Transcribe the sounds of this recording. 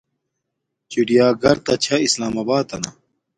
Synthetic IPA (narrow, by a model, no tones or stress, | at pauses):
t͡ɕiɖijaːɡɐɾt̪ɐt͡ɕʰɐislaːmɐbaːt̪ɐ̰nɐ̰